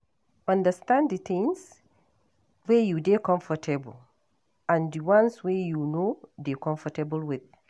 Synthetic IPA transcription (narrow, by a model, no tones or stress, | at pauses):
ʌ̃ndəstãnddit̪ĩŋs | wejudekɔ̃ɱfɔtʰɛbəl | ãndiwãnswejunodekɔ̃ɱfɔtɛbəlwɪð̥